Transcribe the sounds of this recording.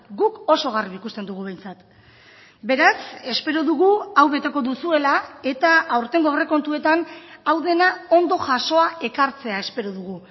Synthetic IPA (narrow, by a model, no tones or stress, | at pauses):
ɡuko̞so̞ɣ̞ariβikust̪e̞nd̪uɣ̞uβe̞jnt͡sat̪ | be̞ɾase̞spe̞ɾoðuɣuawβe̞t̪e̞ko̞ðusue̞lae̞t̪aːwɾt̪e̞ŋɡo̞re̞ko̞nt̪ue̞t̪anawðe̞nao̞nd̪o̞ʝaso̞ae̞kaɾt͡se̞ae̞spe̞ɾoðuɣ̞u